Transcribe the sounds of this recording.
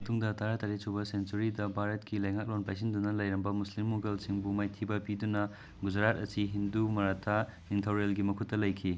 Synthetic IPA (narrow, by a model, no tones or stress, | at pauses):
mɐt̪uŋdɐtʰaɾatɐɾesʰubɐsensuɾidɐbʱaɾɐt̚kilɐjŋak̚lonpajsindunɐlɐjɾɐmbɐmuslimːoɡelsiŋbumajtʰibɐpidunɐ | ɡud͡ʒɾat̚ɐsiɦindumɐɾatʰa | intʰawɾelɡimɐkʰutːɐlɐjkʰi